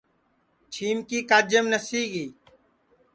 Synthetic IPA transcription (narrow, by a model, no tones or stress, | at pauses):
t͡ʃʰiːmkiːkaːd͡ʒəmnəsiːɡiː